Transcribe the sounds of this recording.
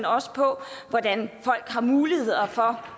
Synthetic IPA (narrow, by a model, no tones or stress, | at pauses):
nɒ̽sə̥pʰɒ̽ʋɒd̥ænfɒ̽l̰ɡ̥hɑ̈muːlihe̝ð̰ˠɐfɒ̽